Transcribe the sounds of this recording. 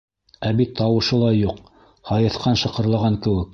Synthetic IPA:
æβit̪ʰːɑwɤ̆ʃɤlˠɑjuq | hɑjɤ̆θqɑnʃɤ̆qɤ̆ɾlˠɑʁɑŋkɘ̆wɘk̚

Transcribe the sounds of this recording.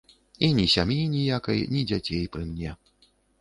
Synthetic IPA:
inʲisʲamjinʲijakɐ̰jnʲid͡zʲat͡sʲejpɾɨmnʲɛ

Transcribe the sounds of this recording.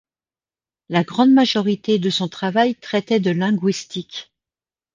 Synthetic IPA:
laɡʁɑ̃d̪maʒɔʁit̪ed̪əsɔ̃t̪χavajt̪χɛt̪ɛd̪əlɛ̃ɡɥist̪ik

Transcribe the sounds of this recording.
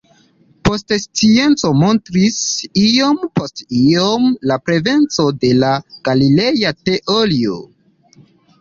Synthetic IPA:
po̞stst͡sie̞nt͡somo̞ntɾisiompostiomlapɾe̞ve̞nt͡so̞de̞laɡ̥alile̞jateʔolio̰

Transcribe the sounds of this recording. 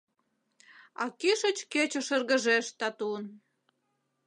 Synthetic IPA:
ɑ̰kiʃət͡ɕket͡ɕoʃə̆rɣə̆ʒeʃt̪ɑt̪un

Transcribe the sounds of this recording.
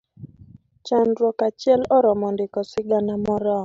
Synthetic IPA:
t͡ʃandɾɔkat͡ʃjɛlɔɾɔmɔndɪkɔsɪɡanamɔɾɔ

